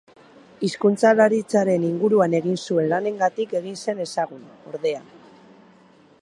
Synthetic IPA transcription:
iskunt͡salaɾit͡saɾe̞niŋɡuɾuane̞ɣ̞insue̞nlane̞ŋɡat̪ike̞ɣinse̞ne̞saɣuno̞̰ɾðe̞a

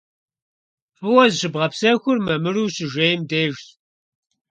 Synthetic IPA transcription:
fɨwɐzɕɨbʁɐpsɐxʷʊrmɐmɨɾuːɕɨʒejmdeːʒt

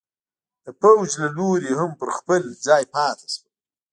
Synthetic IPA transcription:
d̪̥əpawd͡ʒlaloɾihampəɾxpəld͡zɑːjpɑːt̪ḁʃwi

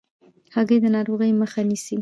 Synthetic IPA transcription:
haɣəjd̪ənɑɾoɣəjməxanisi

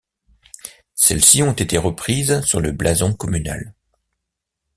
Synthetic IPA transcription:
sɛlsiɔ̃t̪et̪eʁəpχizsyʁləblʔazɔ̃kɔmyna̰l

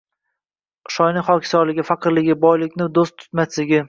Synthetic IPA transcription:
ʃɒjnɪχɒkʲʰsɒɾlɪɡʲɪfaqʰɨɾlɪɡʲɪbɒjlɪkʲnɪd̪ost̪ʰʊ̥t̪maslɪɡʲɪ

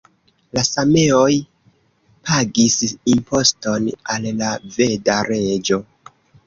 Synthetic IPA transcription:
lasame̞o̞j | pʰaɡisimpʰo̞sto̞nallave̞daɾe̞d͡ʒo̞

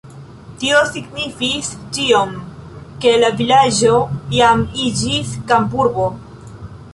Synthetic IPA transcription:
tio̞siɡnifist͡ʃio̞mke̞lavilad͡ʒo̞jamid͡ʒiskambuɾbo

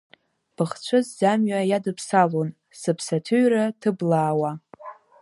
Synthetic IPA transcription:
b̥ɨχt͡ɕʷʰɨzzamɥajadɨpʰsalon | sɨpʰsatʰɨɥratʰɨblaːwa

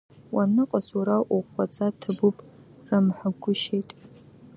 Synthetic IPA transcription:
wʔanɨqʼasuɾaʔuχʷat͡sʼatʰɨbupʼ | ramħaɡʷʊʃejtʼ

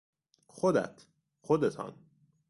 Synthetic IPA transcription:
xod̪æ̰t̪ʰ | xod̪et̪ʰɒ̰n

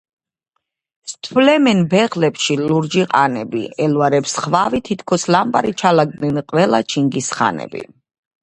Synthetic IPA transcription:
st̪ʰwlɛmɛnbɛʁlɛpʃiluɾd͡ʒiqʼanɛbḭɛlvaɾɛpsχvavit̪ʰit̪ʰkʰɔslambaɾit͡ʃʰalaɡ̚d̪nɛnqʼwɛlˠat͡ʃʰiŋɡisχa̰nɛ̰bḭ

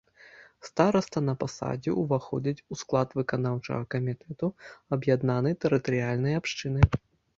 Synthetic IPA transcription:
st̪aɾɐst̪ɐnɐpasa̰d͡zʲḭʔuvaxɔ̰d͡zʲit͡sʲusklˠat̪vɨkanawt͡ʂɐ̰ɣɐkɐmʲit̪ɛt̪uɐbjad̪nanɨjt̪ɛɾɨt̪ɐɾɨjalʲnɐjapʂt͡ʂɨnɨ

